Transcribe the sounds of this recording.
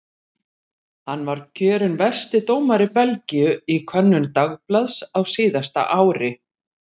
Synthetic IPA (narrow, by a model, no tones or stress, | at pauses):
hanːvaɾ̥cʰœːɾɪnvɛr̥st̪ɪt̪oːwmaɾɪpɛlcijʏikʰœnːʏnt̪aɣplaðsawsiːðast̪a̰ʔaːwɾɪ